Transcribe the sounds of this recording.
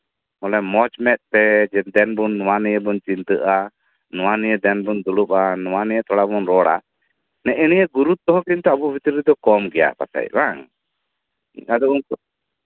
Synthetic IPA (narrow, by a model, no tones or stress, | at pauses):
mɔlɛmɔt͡ʃmɛt̪̚p̪ɛd͡ʒɛd̪ɛnbunːɔwanɛjɛbɔnt͡ʃint̪ɨʔa | nɔwanijɛd̪ɛnbund̪ulupanɔwanɛjɛt̪ʰɔɽabɔnɾɔɽa̰ | nɛʔɛnijəɡuɾut̪̚t̪ːɔɦɔ̃kint̪ɛabubʱit̪iɾid̪ɔkɔmɡɛja̰pa̰sa̰j̚baŋ | ad̪ɔunkɔ